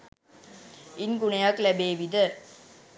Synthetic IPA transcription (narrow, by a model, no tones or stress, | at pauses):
inɡuɳɐjaklæbeːʋid̪ə